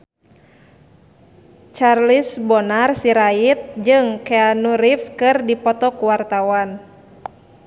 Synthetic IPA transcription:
t͡ʃarlisbɔnarsiɾait̪̚d͡ʒɨŋkɛanuɾifskɨrdipɔt̪ɔkuwart̪awan

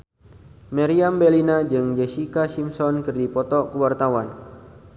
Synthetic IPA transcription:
maɾiambɛlinad͡ʒɨŋd͡ʒɛsikasimsɔnkɨrdipɔt̪ɔkəwart̪awan

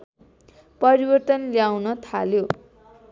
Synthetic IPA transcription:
pʌɾibʌrt̪ʌnljawnʌt̪ʰa̰ljo

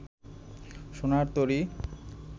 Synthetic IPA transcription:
ʃonaɾt̪oɾi

